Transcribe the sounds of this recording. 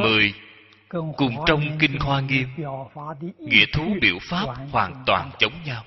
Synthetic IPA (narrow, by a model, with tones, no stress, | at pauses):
mɨ˨˩əj | kʊ˨˩ŋ͡mt͡ɕɔ˧wŋ͡mkï˧ŋhwaː˧ŋi˧əm | ŋḭ˧˥ət̪ʰu˨˦ɓḭ˧˩əwfaː˦˥p̚hwaː˨˩nt̪wa̰ː˨˩nt͡ɕə˨˦wŋ͡mɲaː˧w